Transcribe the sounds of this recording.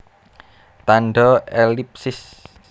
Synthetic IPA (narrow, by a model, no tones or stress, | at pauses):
t̪anɖɔelip̚sɪs